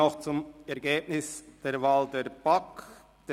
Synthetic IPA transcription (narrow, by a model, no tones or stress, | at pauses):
ɔχt͡sʊmɛɾɡeːbnɪsd̥eːɾvaːldeːb̥ak | d̥e